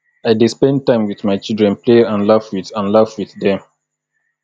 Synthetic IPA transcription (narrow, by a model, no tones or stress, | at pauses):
aɪdispɛ̃nd̚tːãɪ̃mwiðmaɪt͡ʃildɹɛ̃npleãnlavwiθãnlavwiθdɛ̃m